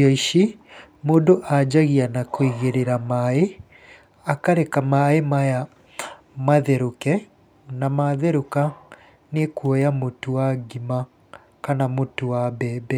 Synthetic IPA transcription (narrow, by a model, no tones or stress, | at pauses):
ɔiʃi | moːdoʔad͡ʑaɣianakoiɣeɾeɾamae | akaɾɛkamaemaja | maðɛɾokɛ | namaðɛɾoka | nekwɔjamotowaɡima | kanamotowabɛːbɛ